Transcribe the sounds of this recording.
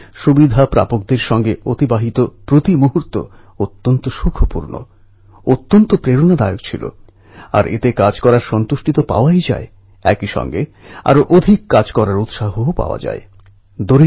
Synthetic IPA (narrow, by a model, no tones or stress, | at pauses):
ʃubid̪ʱapɾa̰pok̚d̪eɾʃɔŋɡeot̪ibaɦit̪opɾot̪imuɦuɾt̪o̰ | ot̪ːont̪oʃukʰopṵɾno̰ | ot̪ːont̪opɾeɾonad̪aeokt͡ɕʰilo̰ | a̰ɾʔḛt̪ekad͡ʑkɔɾaɾʃɔnt̪uʃʈit̪opa̰oajd͡ʑa̰e | ɛ̰kiʃɔ̰ŋɡe | a̰ɾoʔod̪ʱikːad͡ʑkɔɾaɾut̪ʃaɦoopa̰oa̰d͡ʑa̰e | d̪oɾi